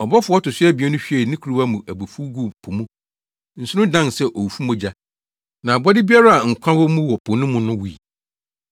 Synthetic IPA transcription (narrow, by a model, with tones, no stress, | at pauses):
ɔ˨bɔ˦fʊ˨˦ɔ˦tʊ˨sɪ˦ɛ˦bi˨ɛ˦nʊ̃˦ɕᶣi˦ɛ˨nĩ˦kʰu˨ɾu˦wa˦mũ˨ʔæ˨bo˨fu˦ɡu˦˨pʰo˨mũ˦ | n̩˨sʊ˦ɾʊ̃˦dã˦nsɛ˦ʔo˨wu˨fu˦mɔ̃˦d͡ʑa˦ | nã˨bɔ˦dɪ˦bi˦a˦ɾa˦a˨ŋ̩˨kʷʰã˦wɔ˦mũ˦wɔ˨pʰʊ˨nʊ̃˦mʊ̃˦nʊ̃˦wu˨ḭ˨